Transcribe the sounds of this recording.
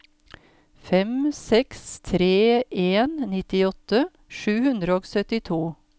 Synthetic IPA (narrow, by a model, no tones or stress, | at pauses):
fɛmsɛkst̪ʰɾeːʔeːnnɪt̪ɪɔt̪ə | ʃʉːhʉnd̪ɾəoːɡsœt̪ɪt̪ʰuː